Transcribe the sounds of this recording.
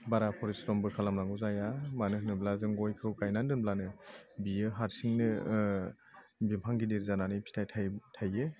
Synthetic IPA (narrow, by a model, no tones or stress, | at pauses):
baɾapʰɔɾisɾɔmbɯkʰalamɾaŋɡɯzajamanɯhnɯblazɯŋɡɔjkʰɯwkajnandɯnblanɯbijɯɦaɾsiŋnɯ | bimpʰaŋɡidiɾzananɯjpʰi̥tʰajtʰatʰaje